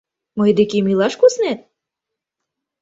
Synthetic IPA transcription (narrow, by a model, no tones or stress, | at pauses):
mɤjd̪ekemilɑʃkosnet̪̚